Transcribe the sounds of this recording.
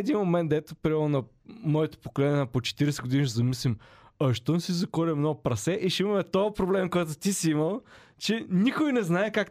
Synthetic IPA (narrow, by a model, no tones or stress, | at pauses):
d̪inmomɛnd̪d̪ɛt̪opɾimɛɾnonɐ | mɔɛt̪o̥pokolɛnɲʲɛnɐpot͡ʃɛ̥t̪iɾɛsɛɡʊd̪iniʃ̬ɛzɐmislʲimɐʃt̪ɔnsizɐkɔɾɛmnɔɡʊpɾɐsɛʔiʃɛimɐmɛt̪ɔɐpɾoblɛmkɔjt̪ʊt̪isiiməlˠ | t͡ʃɛnikojnɛznaɛkak